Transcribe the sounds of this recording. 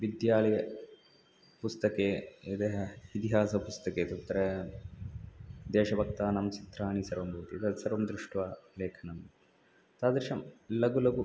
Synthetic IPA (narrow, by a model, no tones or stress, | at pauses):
ʋid̪jaːlɐjɐ | pust̪ɐkeːɐd̪eːɦɐit̪iɦaːsɐpust̪ɐkeːt̪ɐt̪ːɐɾɐ | d̪eːʃɐbʱɐk̚t̪aːnɐmt͡ʃit̪ɾaːɳisɐɾʋɐmbʱuʋt̪iɐt̪ɐsɐɾʋɐmd̪ɾuʂʈʋaːleːkʰɐnɐm | t̪aːd̪ɾiʃɐmlɐɡulɐɡu